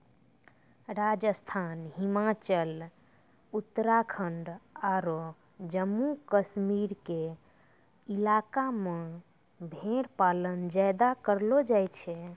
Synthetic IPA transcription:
ɾad͡ʒəst̪ʰanɦimat͡ʃəl | ut̪ːəɾakʰəɳɖaɾo | d͡ʒəmːukəsmiɾke | ilakamẽ | bʱeɾpalənd͡ʒajd̪akəɾlod͡ʒajt͡ʃʰɛ

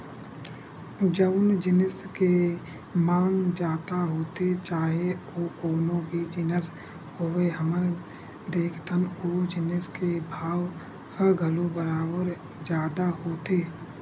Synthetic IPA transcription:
d͡ʒəʋnd͡ʒɪnəske | maːŋd͡ʒaːt̪aɦoːt̪et͡ʃaːɦeoːkoːnõbʱid͡ʒɪnəs | ɦoːeɦəmən | d̪eːkʰt̪ənoːd͡ʒɪnəskebʱaːw | həɡʱəlobəɾaːbəɾ | d͡ʒjaːd̪aɦoːt̪eː

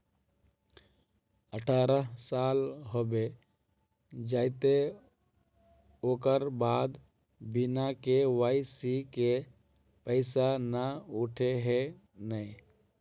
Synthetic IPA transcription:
əʈʰaːɾəɦsaːlɦobe | d͡ʒaːɪt̪e | oːkəɾbaːd̪ | binakeʋaɪsike | pəɪsanauʈʰeɦe | nəi

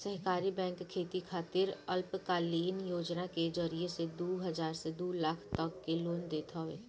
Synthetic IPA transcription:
səɦkaːɾibɛ̃ːŋkkʰːeːt̪ikʰaːt̪ɪɾɐlpkaːliːnjoːd͡ʒnaked͡ʒəɾiesed̪uːɦɐd͡ʒaːɾsed̪uːlakʰt̪ɐkːeloːnd̪eːt̪ʰaʋeː

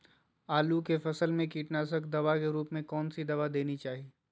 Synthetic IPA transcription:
aːlukefɐsəlmẽkiːʈnaːsəkd̪ɐʋakeɾuːpmẽkɔːnsid̪ɐʋad̪eːnit͡ʃaːɦieː

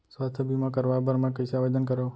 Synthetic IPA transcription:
sʋast̪ʰəbimãkəɾʋabəɾmãkəjsaʋed̪ənkəɾo

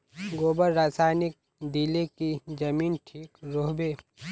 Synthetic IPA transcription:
ɡoːbəɾːaːsaːnɪk̚ | d̪ilekid͡ʒɐmiːnʈʰiːkɾoːɦbeː

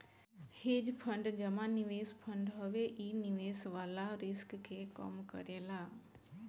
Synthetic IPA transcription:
hɪd͡ʑpʰɐ̃ɳɖd͡ʒɐmãnɪʋeːspʰɐ̃ɳɖɦoʋeʔiːnɪʋeːsʋaːlaɾɪskkʰeːkə̰mkɐ̰ɾelaː

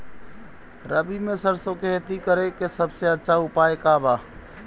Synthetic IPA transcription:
ɾəbimesəɾsokeɦet̪ikəɾekesəbseətːʃʰaupaekaba

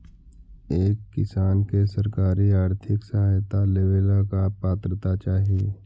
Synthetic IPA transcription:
eːkːɪsaːnkesɐɾkaːɾiaːɾt̪ʰɪksɐɦaːjt̪aleːʋeːlakapaːt̪ɾət̪at͡ʃaːɦie

